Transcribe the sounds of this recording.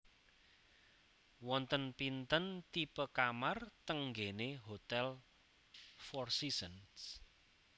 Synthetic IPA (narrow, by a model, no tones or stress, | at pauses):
wɔnt̪ənpint̪ənt̪ipəkamart̪əŋɡeneɦot̪ɛl | fɔrsisəns